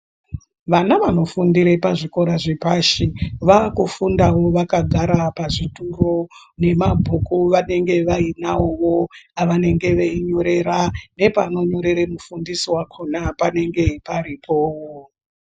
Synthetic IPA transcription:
ʋanaʋano̞fundiɾepaʐiko̞ɾaʐepaʃiʋakufundawo̞ʋakaɡʱaɾapaʐituro̞ne̞mabʱukuʋane̞ŋɡe̞ʋainawoʋo̞aʋane̞ŋɡe̞ʋeiɲo̞ɾe̞ɾane̞pano̞ɲo̞ɾe̞ɾemufundisiwakʰonapane̞ŋɡe̞pariːpo

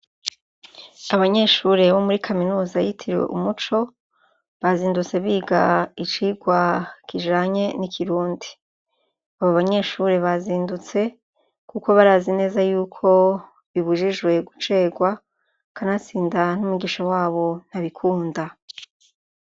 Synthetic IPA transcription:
aβaɲe̞ʃuɾe̞βomuɾikʰaminuːzajitʰiɾiwe̞̰ʔumut͡ʃo̞ | βaziːndut͡se̞βiːɡait͡ʃiɡwakʰiʒaːɲe̞nikʰiɾuːndi̥ | aβoβaɲe̞ʃuɾe̞βaziːndut͡se̞ | kuko̞βaɾazine̞ːzajuːkʰo̞ | βiβuʒiʒwe̞ɡut͡ʃe̞ːɡwa | kanat͡siːndanumuɡiʃawaːβo̞n̥haβikʰuːnda

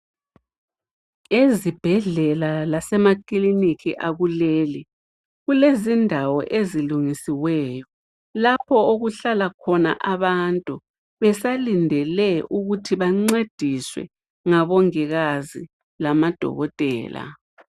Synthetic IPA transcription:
ezib̥ʱɛɮɛlalasɛmakilinikʰḭʔaɣuleːli | ɣulezindʱawɔʔeziluŋisiwɛːjɔ | lapʰɔoɣuɬalakʰɔna̰ʔaβantʼu | βɛsalindʱɛlɛʔuɣutʰiβaŋ͡ǀed̥ʱiswɛ̰ | ŋaβɔŋɛɣazi | lamad̥ʱɔ̰ɣɔtʼɛ̰ːla̰

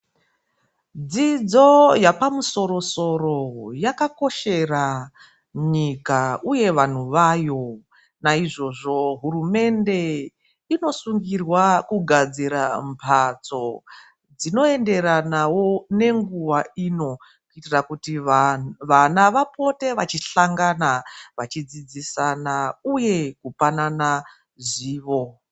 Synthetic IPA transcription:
d͡zid͡zo̞japamuso̞ɾo̞so̞ro̞jakako̞ʃe̞ra | ɲikauje̞ʋan̤uʋaːjo̞ | naiʐo̞ʐo̞ɦurume̞nde̞ | ino̞suŋɡirwakuɡʱad͡ziɾampʰat͡so̞ | d͡zino̞e̞nde̞ɾanawo̞ne̞ŋɡuʋaiːno̞ | kuitirakuti | ʋanaʋapo̞te̞ʋat͡ʃiɬaŋɡanaʋat͡ʃid͡zid͡zisanauje̞kupanana | ʐiːʋo̞

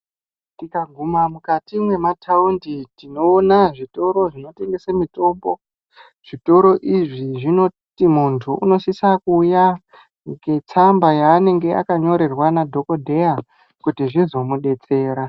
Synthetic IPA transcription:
tikaɡʱumamukatimwe̞matʰaunditino̞ːnaʐito̞ɾo̞ʐino̞te̞ŋɡe̞samito̞mbo̞ | ʐ̥ito̞ɾo̞ʔiʐiʐino̞ | timuntʰuuno̞sisakuːja | ɡe̞t͡sambajaːne̞ŋɡe̞ʔa̰kaɲo̞ɾe̞rwanadʱo̞ko̞dʱe̞ja | kutiʐizo̞muɗe̞t͡se̞ːɾa

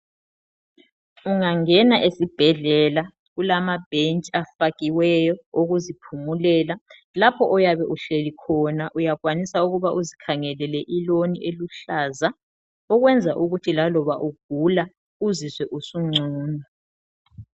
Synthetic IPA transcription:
uŋaŋɛnaʔesib̥ʱɛɮɛla | ɣulamab̥ʱent͡ʃʼafaɣiwɛjɔoɣuzipʰumulɛːla | lapʰɔʔɔjaβɛʔuɬelikʰɔnaʔujaɣwanisauɣuβaʔuzikʰaŋɛlɛlɛʔiloniʔeluɬaːza | ɔɣwɛnd͡zʱaʔuɣutʰilalɔβaʔuɡ̥ʱula | uziswɛʔusuŋ͡ǀʱuːnɔ

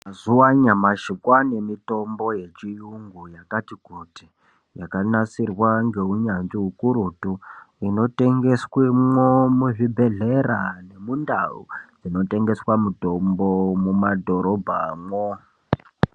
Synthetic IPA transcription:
mazuwaɲamaʃikwane̞mito̞mbo̞je̞t͡ʃijuŋɡujakatikuti | jakanat͡sirwaŋɡe̞ɦuɲanʐiɦukuɾutuino̞te̞ŋɡe̞swimwomuʐibʱe̞ɮerane̞mundaṵd͡zino̞te̞ŋɡe̞swamuto̞mbomumadʱo̞ɾo̞bʱa̰mwo

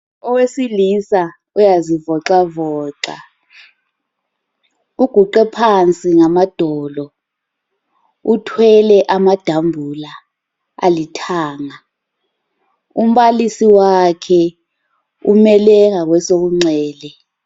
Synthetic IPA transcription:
ɔwesilisa | ujazivɔǁavɔːǃa̰ | uɡ̥ʱuǃɛpʰant͡sʼiŋamad̥ʱɔːlɔ | utʰwɛlɛʔamad̥ʱambʱula | a̰litʰaːŋa | um̩ɓalisiwakʰɛ | umɛlɛŋak̬wɛsok̬uŋ͡ǀɛːlɛ

